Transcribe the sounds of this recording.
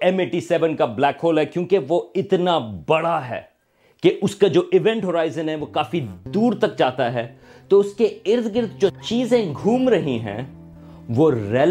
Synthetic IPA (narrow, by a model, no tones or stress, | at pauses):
ɛmeːʈisɛʋə̃nkablɛːkɦoːlɦɛkjõːkeʋoɪt̪nabɐɽaɦɛ̰ː | keʔʊskad͡ʒoːʔɪʋɛ̃ɳʈɦoɾaːɪzə̃nɦɛʋoːkaːfid̪uːɾt̪ɐk̚d͡ʒaːt̪aɦɛː | t̪oːʊskeɪɾd̪ʰʱɡɪɾd̪d͡ʒoːt͡ʃiːzẽɡʱuːmɾɐɦĩɦɛ̰̃ː | ʋoːɾɛː